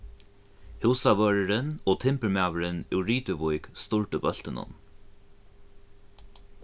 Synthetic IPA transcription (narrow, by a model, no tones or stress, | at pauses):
hɪwsaʋœːɹəɾɪnɔːt̪ʰɪmpəɹmaːwəɾɪnɪwɹiːt̪ɪvʊjkst̪ʊɹt̪ʊbœl̥t̪ɪnʊ̰n